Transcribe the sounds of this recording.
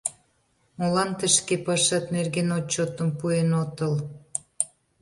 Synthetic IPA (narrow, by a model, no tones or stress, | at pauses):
molɑnt̪ə̆ʃkepɑʃɑt̪nerɣenot͡ɕːot̪əmpuenot̪ə̆l